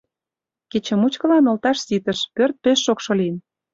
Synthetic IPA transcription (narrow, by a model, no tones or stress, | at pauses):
ket͡ɕə̆mut͡ɕkə̆lɑnŏlt̪ɑʃsit̪ə̆ʃpørt̪̚peʃːokʃŏlin